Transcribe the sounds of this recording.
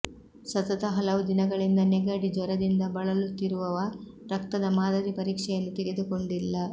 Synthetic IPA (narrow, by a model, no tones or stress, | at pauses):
sɐt̪ɐt̪ɐɦɐlɐʋud̪inɐɡɐɭind̪ɐneɡɐɽid͡ʒɔɾɐd̪ind̪ɐbɐɭɐlut̪iɾuʋɐʋɐ | ɾɐkt̪ɐd̪ɐmaːd̪ɐɾipɐɾiːkʂɛjɐnːut̪eɡed̪uko̞ɳɖilːɐ